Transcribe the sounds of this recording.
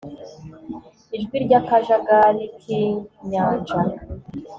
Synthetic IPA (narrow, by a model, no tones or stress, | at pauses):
iʒɡwiɾɟakaʒaɡaɾikʰiɲaːnd͡ʒa